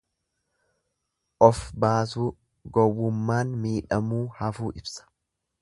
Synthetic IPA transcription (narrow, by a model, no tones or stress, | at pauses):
ʔɔfbaːsuː | ɡɔwːʊmːaːnmiːᶑɐmuːhɐfuːʔɪbsɐ̥